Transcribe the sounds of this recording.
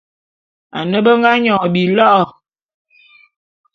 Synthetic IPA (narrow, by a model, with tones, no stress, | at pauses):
a̰˨nə˦bə˦ŋɡa˦ɲɔ˨bi˨lɔ˦ʔɔ˨